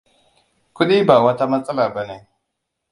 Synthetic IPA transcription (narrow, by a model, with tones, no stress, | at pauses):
ku˦ɗi˦ba˨wa˦ta˦ma˦t͡sʼa˦la˨ba˨ne˨